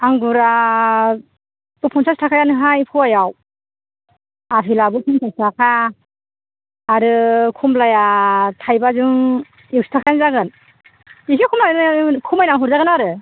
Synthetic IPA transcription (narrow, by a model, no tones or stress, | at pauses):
aŋɡuɾa | bɯpʰɔnsʰastʰakʰajanɯɦajpʰɯwajaw | apʰilabɯpʰunsʰastʰakʰa | ɾɯkʰumlajatʰajbazuŋ | ewsi̥tʰakʰajanzaɡɯn | isikʰumlajkʰumajnaŋɦuɾzaɡɯnaɾɯ